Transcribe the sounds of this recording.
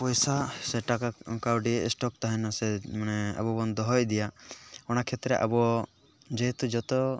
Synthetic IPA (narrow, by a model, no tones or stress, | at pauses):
pɔjsaseʈakakawɖisʈɔk̚t̪aɦɛnasemanea̰bɔbɔnd̪ʱɔɦɔjd̪ijaɔɽ̃akʰɛt̪ɾɛʔa̰bɔ | d͡ʒeɦet̪ud͡ʒɔt̪ɔ